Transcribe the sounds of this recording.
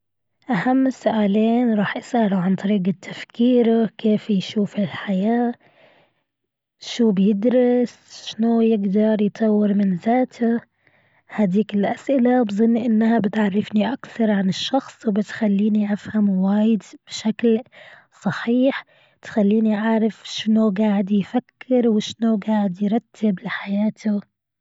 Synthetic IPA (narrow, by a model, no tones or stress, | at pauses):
ʔahamːsːʊʔaːleːnɾˤɑːħʔasʔaluʕant̪ˤɑɾiːɡat̪ʰːafkiːɾakeːfjʃuːfɪlħajaː | ʃuːbjɪd̪ɾɪs | ʃnojɪɡd̪ɑɾˤjt̪ˤʰɑwːɪɾmɪnzaːt̪ʰa | had̪iːkɪlʔasʔɪlabzˤɨnːʔɪnːhabɪt̪ʕɑrˤːɪfniʔakθɑɾˤʕanɪʃːɑxsˤwbɪt̪xalːiːniʔafhamwaːjɪd̪b̥ɪʃakl | sˤɑħiːħ | t̪xalːiːniʔaʕɾˤɪfʃnuɡaːʕɪd̪jfakːɪɾwɪʃnuɡaːʕɪd̪jɾˤɑt̪ːɪblɪħajaːt̪ʰʊ